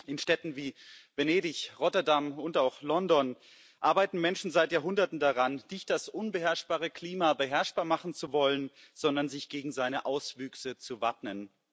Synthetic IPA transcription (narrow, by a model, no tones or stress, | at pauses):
ʔɪnʃtɛtn̩viːveneːdɪçʁɔtɐdamʊntaʊxlɔndɔn | ʔaːɐbaɪtn̩mɛnʃn̩zaɪtjaːɐɦʊndɐtn̩daʁanːɪçt̚d̥asʔʊnbəɦɛɐʃb̥aːʁəkʰl̥iːmabəɦɛɐʃb̥aːɐmaχn̩t͡suvɔlən | z̥ɔndɐnzɪçɡ̥eːɡŋ̩zaɪnəʔaʊsv̥yːksət͡suvatmən